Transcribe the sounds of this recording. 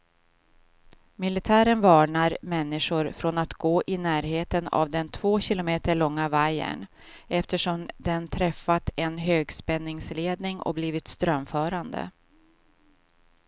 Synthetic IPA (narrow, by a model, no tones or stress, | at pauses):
mɪlɪt̪ʰæːɾənvɑːɳaɾmɛnːɪʂʊɾfɾɔnat̪ɡoːʔɪnæːɾɦeːt̪əna̰vd̪ɛnt̪ʰvoːɕɪlʊmeːt̪əɭɔŋːavajə̰ɳ | ɛft̪əʂɔmd̪ɛnt̪ʰɾɛfːat̪ɛnɦøːɡspɛnːɪŋsleːd̪nɪŋɔ̰bliːvɪt̪st̪ɾœmfœːɾand̪ə̰